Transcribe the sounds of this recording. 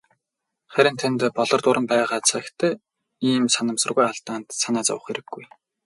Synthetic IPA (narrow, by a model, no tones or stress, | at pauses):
χæɾʲɪ̆nt̪ʰant̪pɔɮɞ̆rt̪ʊɾə̆mpæːʁaːt͡sʰakt̪ʰæː | iːmsanə̆msə̆rɣujaɮt̪aːnt̪sanæːt͡sa̰wə̆χeɾɘ̆ɡːuj